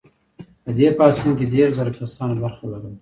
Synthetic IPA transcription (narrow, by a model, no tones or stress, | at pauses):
pəd̪epɑːt͡ʃunkeɖeɾzəɾakasɑnbaɾxalaɾum